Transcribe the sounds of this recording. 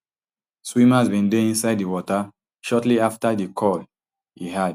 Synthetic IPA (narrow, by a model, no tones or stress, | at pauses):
swĩmazbĩndeĩnsaɪddiwɔta | ʃɔtliaftadikʰɔl | hḭɦad